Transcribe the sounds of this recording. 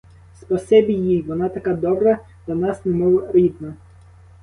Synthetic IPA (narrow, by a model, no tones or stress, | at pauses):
spɔsɛbʲijijʋɔnɑt̪ɐkad̪ɔbɾɐ | d̪̥lʲɐnɑsnɛmɔʋɾʲid̪nɐ